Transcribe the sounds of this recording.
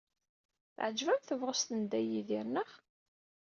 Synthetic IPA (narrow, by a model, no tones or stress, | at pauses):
θʕəd͡ʒvæmθəvʁəst̪ənd̪æjiðiɾnəχ